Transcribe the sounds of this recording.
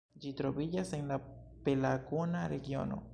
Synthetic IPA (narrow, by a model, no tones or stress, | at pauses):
d͡ʒitɾo̞bid͡ʒasenlape̞laɡonaɾe̞ɡjo̞̰no̞̰